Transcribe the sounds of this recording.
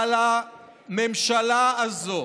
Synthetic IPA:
la | memʃalaazo

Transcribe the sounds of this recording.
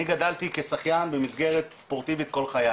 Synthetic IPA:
iɡad̪alt̪ikesaχjanbemisɡe̞ʁet̪spo̞ʁt̪ivit̪ko̞lχaja

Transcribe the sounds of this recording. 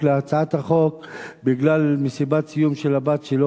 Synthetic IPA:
leat͡saat̪haχo̞kbiɡlalmesibat̪sijumʃelabat̪ʃelo

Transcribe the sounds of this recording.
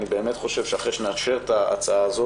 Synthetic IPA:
nibe̞emet̪χo̞ʃe̞vʃeaχeʃeneaʃe̞ʁtaa̰t͡saaːzo

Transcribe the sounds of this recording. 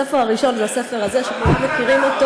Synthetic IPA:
efeʁaʁiʃo̞nzease̞feʁazeʃepomut̪mekiʁimot̪

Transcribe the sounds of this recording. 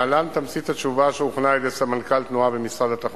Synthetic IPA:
alant̪amsit̪at͡ʃuvaʃeuχnaed̪esamankalt̪nuabemisʁad̪at̪aχ

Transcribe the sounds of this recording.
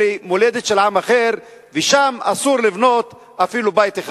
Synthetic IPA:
imole̞d̪et̪ʃelʕamaχe̞ʁ | veʃama̰suʁlivno̞t̪ | afilubajt̪eχa

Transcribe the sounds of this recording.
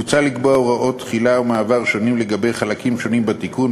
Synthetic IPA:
ut͡salikboʁaʔo̞t̪χilaomaːvaʁʃo̞nimleɡabe̞jχalakimʃo̞nimbatikun

